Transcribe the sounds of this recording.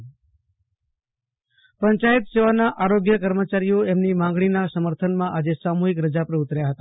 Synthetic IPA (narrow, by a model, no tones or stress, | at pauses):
pəɲt͡ʃajit̪seʋanaʔaɾoɡjəkəɾmət͡ʃaɾijoemnimãŋɡɽ̃inasəməɾt̪ʰənmãʔad͡ʒesamuɦikɾəd͡ʒapəɾut̪ɾjaɦət̪a